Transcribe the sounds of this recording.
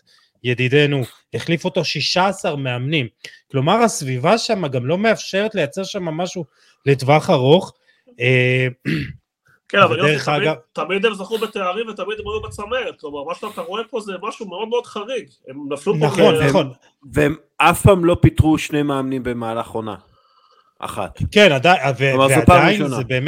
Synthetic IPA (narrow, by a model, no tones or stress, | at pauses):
jedide̞nu | eχlifo̞t̪oʃiʃaːsaʁmeamnimklo̞maʁasvivaʃamaɡamlo̞me̞afʃe̞ʁet̪le̞jat͡seʁʃamamaʃu | ledvaχaʁo̞χ | e | kenavalɡadeʁeχaɡat̪amid̪emzaχubet̪eaʁimvet̪amid̪moomat͡sameʁt̚klo̞maʁmaʃt̪at̪aʁoepo̞zemaʃumeo̞d̪meod̪χaʁiɡ | emnaflunaχonnːaχon | veem | afpaːmlo̞pit̪ʁuʃnejmaːmnimbemaːlaχʁo̞na̰ | ʔa̰χa̰t̪kenad̪ajveaʁveɛapaajinonebe̞ːm